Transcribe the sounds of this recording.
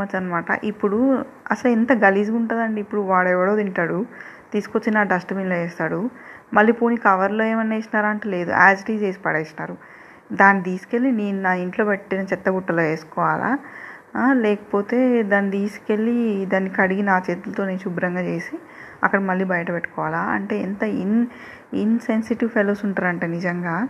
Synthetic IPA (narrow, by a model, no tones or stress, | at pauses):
ɐt͡ʃːɐnːɐmaːʈɐ̰ʔipːuɽu | ɐsɐlint̪ɐɡɐliːsiuɳʈaːd̪ɐɳɖiːpːuɽuʋaːɽɛʋɐɽoːd̪iɳʈaːɽut̪iːsu̥kot͡ʃːinaːɖɐsʈɐbiːnloeːst̪aːɽumɐlːiːpoːnikɐʋɐɾloːeːmɐnːeːsinaːɾɐɳʈule̞ːd̪ṵa̰ːsiʈiːd͡ʒeːsi̥pɐɽeːsinaːɾu | d̪aːnːit̪iːsu̥ke̞lːineːnunaːiɳʈlo̞ːpeʈːinɐt͡ʃɛt̪ːɐɡuʈːɐloːeːsu̥kɔːʋaːlʔa̰ː | lɛːkɐ̥po̞ːt̪e̞ːd̪aːnːit̪iːsu̥ke̞lːid̪aːnːikɐɽiɡinaːt͡ʃeːt̪ulɐt̪o̞ːneːnʃubɾɐŋɡaːt͡ʃe̞ːsi | ɐ̰kːɐɽɐmɐlːiːbɐjɐʈɐpeʈːu̥kɔːʋaːlaːɐ̰ɳʈe̞ːint̪ɐin | insensiʈiʋpʰeloːsuɳʈaːɾɐɳʈeːnid͡ʒɐŋɡaː